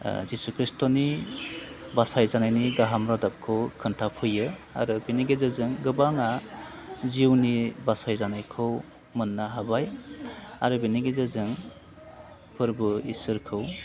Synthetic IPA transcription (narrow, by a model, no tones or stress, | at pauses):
zisukʰɾistɔni | basajzanajniɡaɦamɾadap̚kʰɯwkʰɯntʰapʰɯjɯa̰ɾɯbiniɡezɯzɯŋɡɯbaŋa | ziwnibasajzanajkʰɯw | mɯnːaɦabaj | a̰ɾɯbiniɡezɯzɯŋ | pʰɯɾbɯisɯɾkʰɯw